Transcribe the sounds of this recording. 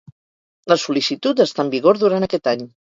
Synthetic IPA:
ləsulisit̪ut̪əst̪ambiɣ̞oɾðuɾanəkɛt̪aɲ

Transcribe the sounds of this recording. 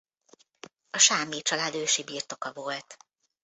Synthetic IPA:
ɒʃaːmeːt͡ʃɒlaːd̪øːʃibiːrt̪o̞kɒvo̞lt̪

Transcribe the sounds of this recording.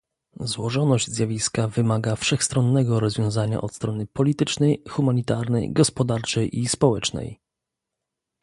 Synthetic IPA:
zwɔʐɔnɔʑd͡ʑzʲjavʲiskavɘmaɡafʂɛxst̪ɾɔnːɛɡɔɾɔzvʲjɔ̃w̃zaɲa̰ʔɔt̪st̪ɾɔnɘpɔlʲit̪ɘt͡ʂnɛjxumaɲit̪aɾnɛ̰jɡɔspɔd̪aɾt͡ʂɛjʔispɔwɛt͡ʂnɛ̰j

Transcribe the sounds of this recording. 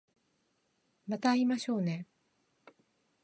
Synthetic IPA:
mat̪aimaɕo̞ːne̞

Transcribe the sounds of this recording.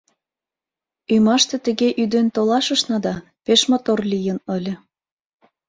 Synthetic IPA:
ymɑʃt̪ĕt̪ə̆ɣeʔyd̪ent̪olɑʃə̆ʃnɑd̪ɑ | peʃmot̪orlʲijə̆nə̆lʲə̆

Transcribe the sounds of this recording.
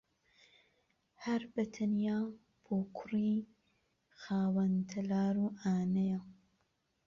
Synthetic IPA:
hɐɾbɐt̪ʰɐnjaː | b̥oːkʰʊriː | xaːwɐnt̪ʰɐlaːɾuːʔaːnɐja

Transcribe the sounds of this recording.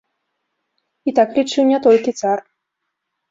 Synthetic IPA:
it̪aklʲit͡ʂɨwnʲat̪ɔlʲkʲit̪sar

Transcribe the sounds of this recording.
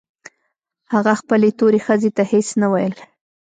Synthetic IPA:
haɣaxpəlet̪oɾexəzet̪ahesnawajəl

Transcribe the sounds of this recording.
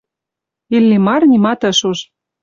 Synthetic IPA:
ilːimɑrnʲimɑt̪ɤ̆ʃuʃ

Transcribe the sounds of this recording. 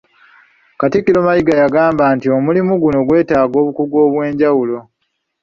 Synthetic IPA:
katikːilo̞majiɡajaɡaːmbaːntio̞mulimuɡuno̞ɡwe̞ːtaːɡo̞ːβukuɡwo̞ːβwe̞ːɲɟawulo̞

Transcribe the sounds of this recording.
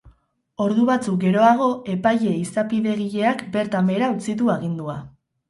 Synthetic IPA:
o̞ɾðuβat͡suk̚ɡe̞ɾo̞aɣ̞o̞e̞paje̞isapiðe̞ɣ̞iʎe̞akbe̞ɾt̪ame̞ɾaut͡sit̪̬uaɣ̞ind̪ua

